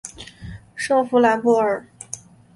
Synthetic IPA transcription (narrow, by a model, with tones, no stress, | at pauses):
ʂɤ˥˧ŋfu˧˥la˧˥npu˥˩ə˞˨˩˦